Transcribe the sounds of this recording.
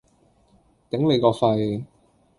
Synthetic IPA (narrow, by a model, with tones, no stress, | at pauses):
t̪ɪ˨˥ŋle˨˧jkɔː˧fɐ˧j